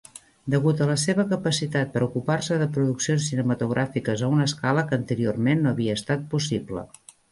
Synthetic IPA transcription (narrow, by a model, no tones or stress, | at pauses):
d̪əɣut̪ələseβəkəpəsit̪at̪̚pəɾukuparsəðəpɾuðuksionsinəmət̪uɣɾʔafikəzəunəːskaləkəːnt̪əɾiormenːoəβiəːst̪at̪̚pusiplə̰